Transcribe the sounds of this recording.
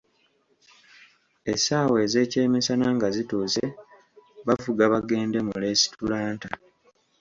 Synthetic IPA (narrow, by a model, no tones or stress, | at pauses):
esaːwe̞ːze̞ːce̞ːmisanaŋɡazituːse | βavuɡaβaɡe̞ːnde̞mule̞ːsi̥tulaːnta